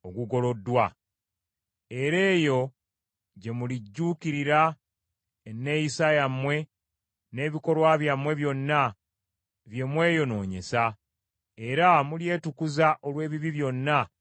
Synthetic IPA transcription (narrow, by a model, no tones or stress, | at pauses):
oɡuɡo̞lo̞dːwa | e̞ɾe̞ːjo̞ | ɟe̞muliɟːuːkiɾiɾa | nːe̞jisajamwe̞ | ne̞ːβiko̞ɾwaβjamwe̞βjo̞nːa | βje̞mwe̞ːjo̞no̞ːɲe̞̰sa | e̞ɾamulje̞ːtukuzaʔo̞lwe̞ːβiβiβjo̞nːa